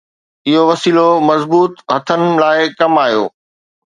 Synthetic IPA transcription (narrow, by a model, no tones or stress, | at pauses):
ɪɦoʋɐsiːlomɐzbuːt̪ɦɐt̪ʰənɪ̆laːɪkɐmaːjo̰ː